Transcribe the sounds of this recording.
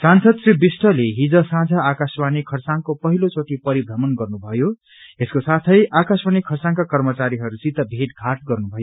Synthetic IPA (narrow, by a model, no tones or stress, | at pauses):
sansʌd̪sibisʈʰʌleɦid͡zʌsãd͡zʱʌakaswanikʰʌrsaŋkopʌɦilot͡soʈipʌɾibʱɾʌmʌnɡʌrnubʱʌjo | eskosat̪ʰʌjʔakaswanikʰːʌrsaŋkakʌrmʌt͡saɾiɦʌɾusit̪ʌbʱeʈɡʱaʈ̚ɡʌrnubʱʌjo